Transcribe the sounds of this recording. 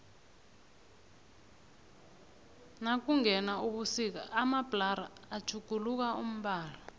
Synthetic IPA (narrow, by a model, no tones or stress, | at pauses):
nak̬uŋɛnauɓusik̬aʔːmabʼlaɾaːd̥ʒ̥ʰʱuɡ̥ʱuluk̬aum̩ɓaːlɔ